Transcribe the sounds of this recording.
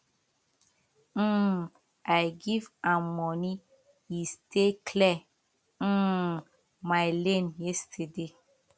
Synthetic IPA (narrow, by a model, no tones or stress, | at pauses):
ʔajɡivãmɔni | jistʰekʰlɛ | majlẽnjɛstʰəde